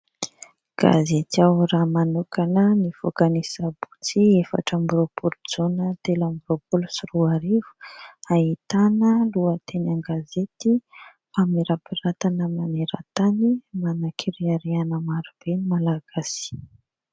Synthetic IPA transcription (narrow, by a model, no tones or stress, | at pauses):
ɡ̥a̰zet̪iawramanukanənifokanisabu̥t͡siefa̰ʈ͡ʂambuɾopʰulud͡zonət̪elambuɾopulusiruaɾivu̥aɦit̪anəluət̪ʰenaŋɡazet̪i | famiɾapirat̪anəmaneɾə̰t̪animanakʰiɾiaɾeanəmaɾub̥enimalaɡ̥asi̥